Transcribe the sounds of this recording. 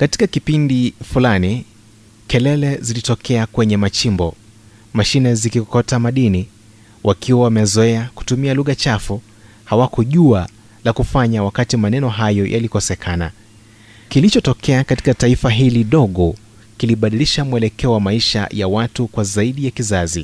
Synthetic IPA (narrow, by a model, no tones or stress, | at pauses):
kati̥kakipindifulani | kɛlɛlɛzilitɔkʰɛakwɛɲɛmat͡ʃimbɔ | maʃinɛzikikɔtamaɗini | wʔakʰiwawamɛzɔɛaku̥tumialuɣat͡ʃafu | hawakʰɔʄua | lakufaɲawakatimanɛnɔɦajɔjʔa̰likɔsɛkʰana | kilit͡ʃɔtɔkɛakati̥kataifaɦiliɗɔɠɔ | kiliɓaɗiliʃamuɛlɛkɛɔwamaiʃa̰jawatukwazaiɗijakizazḭ